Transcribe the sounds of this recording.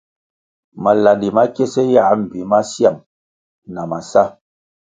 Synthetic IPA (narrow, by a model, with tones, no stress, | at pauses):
ma˨la˨ndi˨ma˦kɛ˦sɛ˦ja˦˨˦m̩˨bi˨ma˦sja˦˨m | na˨ma˨sa˦